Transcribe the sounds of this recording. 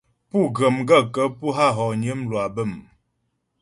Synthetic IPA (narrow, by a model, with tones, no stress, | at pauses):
pu˦˨ɡə˨mɡə˦˨kə˦pu˦ɦa˦ɦɔ˨ɲə˨˦mlwa˨bə˦˨m